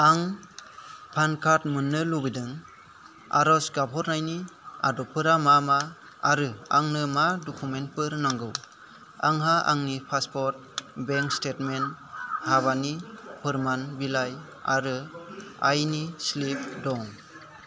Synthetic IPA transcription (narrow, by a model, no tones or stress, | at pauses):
aŋ | pʰankʰat̚mɯnːɯlubidɯŋ | a̰ɾɔsɡapʰɔɾnajnia̰dɔpʰɯɾamamaː | ɾɯaŋnɯmadɔkʰument̚pɯɾnaŋɡɯw | aŋɦaa̰ŋnipʰaspɔɾt̚ | beŋkstetmenhaβanipʰɯɾmanbilaj | a̰ɾɯajnislip̚dɔŋ